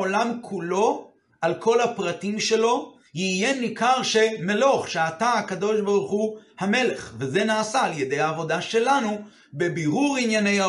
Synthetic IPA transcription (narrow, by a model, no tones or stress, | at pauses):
olamkʰulo̞ | ʔalkʰo̞lhapʁatimʃe̞lo̞ | jijenikaʁʃe̞me̞lo̞χʃeat̪aakad̪o̞ʃbaʁuχuhame̞le̞χveze̞naːsaːljed̪ejaːvo̞daʃe̞lanu | be̞biʁuʁinjane̞ja